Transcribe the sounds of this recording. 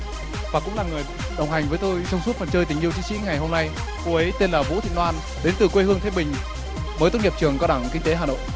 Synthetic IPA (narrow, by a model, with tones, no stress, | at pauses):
vaː˨˩kʊ̰˧˥ŋ͡mlaː˨˩ŋɨ˨˩j | ɗə˨˩wŋ͡mɦa˨˩ŋ̟vəː˨˦jt̪o˧jsɔ˧wŋ͡msu˦˥t̚fə˨˩nt͡ɕəː˧jt̪ï˨˩ŋ̟i˧əwt͡ɕï˨˦sḭ˧˥ŋa˨˩jɦo˧mna˧j | ku˧˩ʔə˨˦jt̪e˧nlaː˨˩vṵ˧˥t̪ʰḭ˧˨nlwaː˧n | ɗe˨˦nt̪ɨ˨˩kwe˧hɨ˧əŋt̪ʰe˨˦ɓï˨˩ŋ̟ | məː˨˦t̪o˦˥ŋi˨˩p̚t͡ɕɨ˨˩əŋkɔ˧wɗaː˧˩ŋkï˧ŋ̟t̪e˨˦ɦaː˨˩ɗə̰˧˨ŋ͡mʔ